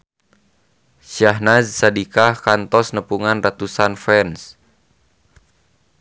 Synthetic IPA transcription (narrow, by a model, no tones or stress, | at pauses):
ʃaɦnazsadikahkant̪ɔsnəpuŋanrat̪usanfɛns